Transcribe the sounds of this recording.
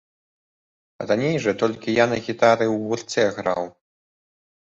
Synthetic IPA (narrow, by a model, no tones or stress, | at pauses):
ɾanʲejʐɐt̪ɔlʲkʲijanɐɣʲit̪aɾɨwɣurt̪sʲɛɣɾa̰w